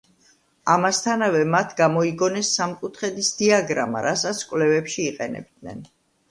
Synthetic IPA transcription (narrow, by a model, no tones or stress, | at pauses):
amast̪ʰanavɛmat̪ʰɡamɔiɡɔnɛsːamkʼut̪ʰχɛd̪isd̪iaɡɾa̰ma̰ɾasat̪sʰkʼwlɛvɛpʃiːqʼɛnɛ̰b̚d̪nɛ̰n